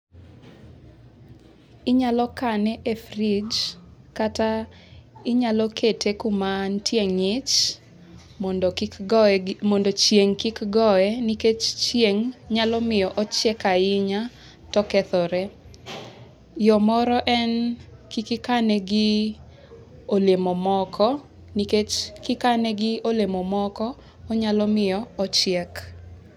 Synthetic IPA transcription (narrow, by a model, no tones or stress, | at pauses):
ɪɲalɔkanɛʔefrid͡ʒkata | ɪɲalɔkʰetʰekumantʰjeŋɪt͡ʃ | mɔndot͡ʃjeŋkikɡɔɛniket͡ʃt͡ʃjeŋɲalɔmɪjɔʔɔt͡ʃjɛkaɪɲa | tɔkɛt̪ɔɾɛ | jɔmɔɾɔʔɛnkikɪkanɛɡɪ | olemɔmɔkʰɔ | niket͡ʃkɪkanɛɡɪolemɔmɔkɔː | ɲalɔmɪjɔɔt͡ʃɪɛk